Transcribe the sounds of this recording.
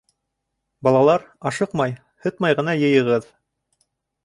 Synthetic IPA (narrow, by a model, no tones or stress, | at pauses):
bɑlˠɑlˠɑɾɑʃɤqmɑj | hɤt̪mɑjʁɤ̆nɑjɤ̆jɤ̆ʁɤð